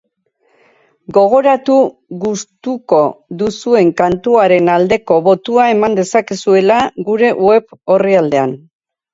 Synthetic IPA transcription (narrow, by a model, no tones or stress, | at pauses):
ɡo̞ɣ̞o̞ɾat̪uɣust̪uko̞ðusue̞ŋkant̪uaɾe̞nald̪e̞ko̞βo̞t̪uae̞mand̪e̞sakisue̞laɡuɾe̞ʔwe̞βo̞riald̪e̞an